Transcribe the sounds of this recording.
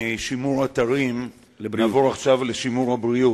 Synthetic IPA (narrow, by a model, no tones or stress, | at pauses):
ʃimuʁat̪aʁim | naːvoʁaχʃavleʃimuʁhabʁiu